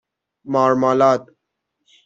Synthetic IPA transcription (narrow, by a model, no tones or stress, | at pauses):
maːɾmaːlaːt̪